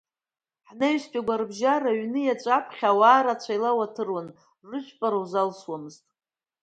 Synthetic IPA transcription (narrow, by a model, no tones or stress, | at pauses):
ħneɥspʲʼaɡʷarbʒaraɥnɨjat͡ʃʷʼapʰχʲawaːɾat͡ɕʷʰajlawatʰɨrwanː | ɨʃʷᶣʰʼpʼaɾawzalswamɨztʼ